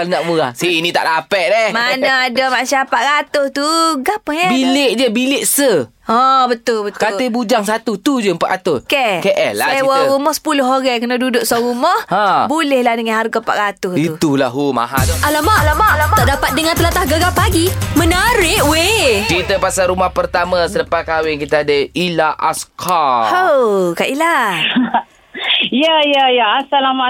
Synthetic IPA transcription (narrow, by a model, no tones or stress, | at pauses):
kalnaʔmuɾahsinĩt̪a̰ʔdapɛʔ̪̚dɛhmanaadamasapaʔɣat̪ʊht̪uɡapəhjabileʔd͡ʒəbilɪʔsə | ɔbət̪ʊlbəkaebud͡ʒaŋsat̪ut̪ud͡ʒəmpa̰ʔat̪ʊskɛkeʔɛ̰lslaewɔɾumɔhsə̥pulʊɦoɣɛkənədudʊʔsɔɣumɔhãbulɛhlahdəŋanɦarɡapa̰ʔɣat̪ʊhiut̪ulaɦuma̰ɦa̰dɔʔalamaʔalamaʔlamat̪aʔdapat̪̚dəŋãnt̪əlat̪ahɡəɡapaɡimənaɾɪʔwekit̪əpasalɾumahpərt̪amasələpakawɪŋkit̪əadəilaʔa̰skʰahokaʔila | jəjəjəasalama